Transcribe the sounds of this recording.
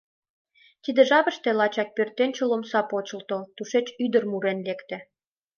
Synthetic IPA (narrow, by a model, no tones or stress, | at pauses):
t̪id̪ĕʒɑβə̆ʃt̪ĕlɑt͡ɕɑk̚pørt̪enʲt͡ɕolomsɑpot͡ɕə̆lt̪olt̪uʃet͡ɕyd̪ə̆rmuɾenlekt̪ĕ